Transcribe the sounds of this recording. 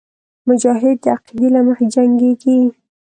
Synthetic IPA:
mʊd͡ʒɑɦɪd̪̚ːəaqid̪ilaməxed͡ʒaŋɡeɡi

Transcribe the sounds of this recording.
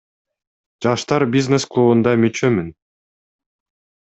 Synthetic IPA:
d͡ʒɑʃt̪ɑɾbʲiznesklˠuβund̪ɑmyt͡ʃømyn

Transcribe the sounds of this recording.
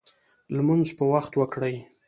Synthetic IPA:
lmunzpəwaxt̪wəkɽaj

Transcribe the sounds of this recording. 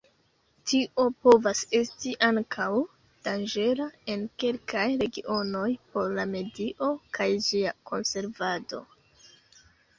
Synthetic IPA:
tʰiʔo̞po̞vase̞stiʔaŋkʰaw | d̥and͡ʒe̞ɾae̞nke̞lkʰajɾe̞ɡiʔo̞no̞jpo̞ɾlame̞diʔo̞kʰajd͡ʒiakʰo̞nse̞ɾvado̞̰

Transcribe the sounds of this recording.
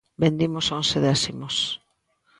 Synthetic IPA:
bend̪imosonseðɛsimos

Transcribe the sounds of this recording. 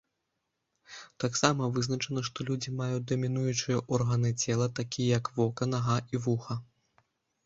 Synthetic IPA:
t̪aksamɐvɨznɐt͡ʂɐn̪ɐʂt̪ɔlʲud͡zʲimajut͡s̚ʲd̪ɐmʲinujut͡ʂɨjɐʔɔrɣɐnɨt͡sʲɛlˠɐt̪akʲijɐjɐkvɔkɐnɐɣɐivuxɐ

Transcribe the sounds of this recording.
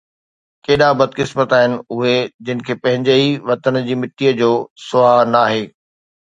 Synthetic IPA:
keːɗabɐd̪kɪsmət̪aːɦɪnɪ̆ʊɦed͡ʑɪnɪ̆kʰeːpɐ̃ɦɪ̃ɲd͡ʑeiʋɐt̪ənəd͡ʑiːmɪʈːijəd͡ʑoːsʊaːɦnɐaːɦeː

